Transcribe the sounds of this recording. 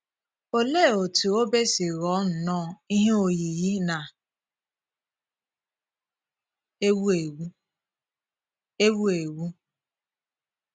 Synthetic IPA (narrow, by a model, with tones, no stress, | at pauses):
o˨le˦˨o˨tu˨o˦be˦si˨ɣɔ˨˦n̩˨nɔ˦i˦ɦe˦o˨ji˨ɣi˦na˨ | e˦wu˦e˨wu˦ | e˦wu˦e˨wu˦